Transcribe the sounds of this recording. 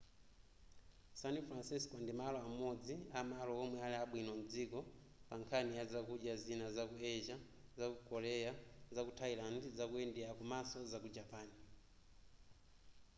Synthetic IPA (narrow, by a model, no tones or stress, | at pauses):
sanifɾansiskɔndimalɔamɔd͡ziamalɔɔmwɛalɛaɓwinɔm̩d͡zikɔ | paŋkʰanijazakuʄjazinazakuɛʒa | zakukɔɾɛjazakutʰailandzakuɛndɛakumasɔzakud͡ʒapaːni